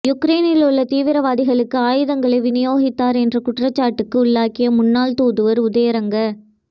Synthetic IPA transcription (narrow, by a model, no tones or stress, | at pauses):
jʊkɾeːnɪlʊɭːɐt̪iːʋɪɾɐʋaːðɪɣɐɭɯkːɯaːjɯðɐŋɡɐɭɐɪʋɪnɪjoːɣɪt̪ːaːɾɛndrɐkʊʈrɐt͡ʃːaːʈːɯkːɯʊɭːaːkɪjɐmʊnːaːlt̪uːðɯʋɐɾʊðɐjɐɾɐŋɡɐ